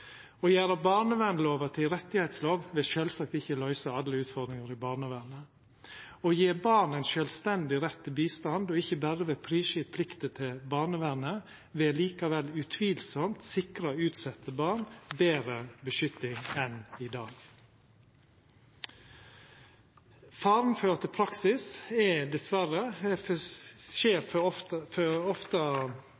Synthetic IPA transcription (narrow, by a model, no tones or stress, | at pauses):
oːjæːɾɑbɑːnəʋænloːʋət̪ʰɪlɾɛt̪ːɪhɛɪt̪sloːʋʋɛːʃøːlsɑk̚t̪ɪçəlœʏsɑɑd̪ləʉːt̪fɔd̪ɾɪŋɑɾɪbɑːɳəʋæɾnə | ojeːbɑːnɛnʃœlst̪ɛnd̪ɪɾɛt̪ːəbiːst̪ɑnd̪ɔɪçəbæɾəʋeːpʰɾiːʃɪpʰlɪkt̪ət̪ʰɪlbɑːnəʋænə | ʋeːliːkɑʋɛlʉt̪ʰʋiːlsɔmt̪sɪkɾɑʉːt̪sɛt̪ːəbɑːɳbeːɾəbəʃʏt̪ːɪŋɛnɪd̪ɑːɡ | fɑːɾnføːɾət̪ʰɪpʰɾɑksɪsɛd̪ɛsʋæɾə | ʃeːɾɔføɔft̪ə